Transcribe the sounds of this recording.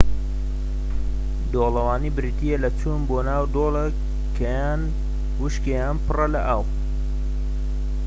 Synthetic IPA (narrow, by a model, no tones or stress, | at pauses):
d̪oːlɐwaːnibɾit̪ijelɐt͡sunboːnaːwd̪oːle | kʰɐjaːn | wɨʃkejaːnpɨrɐlɐʔaːw